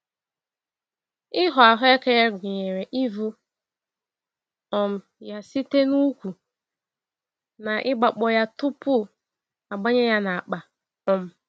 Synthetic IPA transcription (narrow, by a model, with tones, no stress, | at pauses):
ɪ˦ɦʊ˨a˨ɦʊ˦e˦ke˦ja˦ɡʷɪ˨ɲe˨ɾe˨ʔi˦vu˦ | ɔ˦m̩˦ | ja˦si˦te˦nu˦kʷu˨ | na˨ʔɪ˦ɡ͡ba˨k͡pɔ˦ja˦tʊ˦pʊ˦˨ | a˨ɡ͡ba˦ɲe˦ja˦na˨k͡pa˨ | ɔ˦m̩˦